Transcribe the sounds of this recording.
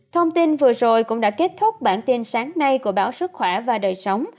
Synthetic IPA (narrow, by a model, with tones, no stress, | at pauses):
t̪ʰə˧wŋ͡mt̪i˧nvɨ˨˩əzo˨˩jkʊ̰˧˥ŋ͡mɗa̰ː˧˥ke˦˥t̚t̪ʰʊ˦˥k͡p̚ɓa̰ː˧˩nt̪i˧nsaː˨˦ŋna˧jku˧˩əɓaː˧˨˦wsɨ˦˥k̚xwɛ˧˩vaː˨˩ɗəː˨˩jsə˨˦wŋ͡m